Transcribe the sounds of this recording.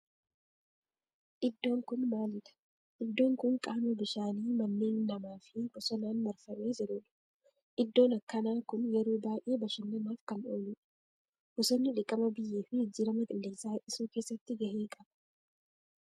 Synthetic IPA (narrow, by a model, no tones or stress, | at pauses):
ʔɪd̪ːo̞ːŋkʊnmaːlɪᶑɐ̥ | ʔɪd̪ːo̞ːŋkʊŋkʼaːmɛbɪʃaːniːmɐnːeːnːɐmaːfɪbʊsɔnaːnbɐɾfɐmeːd͡ʒɛɾʊᶑɐ̥ | ʔɪd̪ːo̞ːnɐkːɐnaːkʊnjɛɾoːbaːʔe̞ːbɐʃɪnːɛnaːfkɐno̰ːlɪᶑɐ̥ | b̥ʊsɔnːɪᶑɪkʼːɐmɐbɪjːeːfɪɪd͡ʒɪːɾɐmɐk̪ʼɪlːeːsaːʔɪsuːke̞ːsːɐt̪ːɪɡɐheːkʼɐb̥ɐ̥